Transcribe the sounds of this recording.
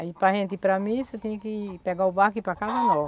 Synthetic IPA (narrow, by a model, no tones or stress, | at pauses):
aipɾɐɦẽnt̪ɪpɾɐmĩset̪ẽɲɐkɪpeɡaubakipɾɐkazɐnɔ